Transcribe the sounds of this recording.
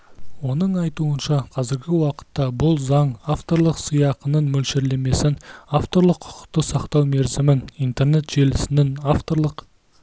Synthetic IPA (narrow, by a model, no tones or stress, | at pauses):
wo̞nəɴɑjt̪uənʃɑqʰɑzɪɾɡʲɪwɑqə̥t̪ːɑbʊlˠzɑɴaft̪o̞ɾlˠəqsijɑqənənmɵlʃeɾle̞me̞sɪnaft̪o̞ɾlˠəqʰːʊ̥qə̥q̚t̪əsɑqt̪ɑwme̞ɾzɪmɪnijnt̪e̞rne̞t̪ʒ̥e̞lɪsɪnɪnaft̪o̞ɾlˠəq